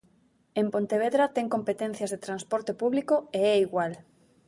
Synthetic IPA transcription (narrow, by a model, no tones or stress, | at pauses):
empont̪eβ̞eðɾat̪ɛŋkompet̪ɛn̟θjazðet̪ɾanspɔɾt̪epuβlikoeɛiɣwal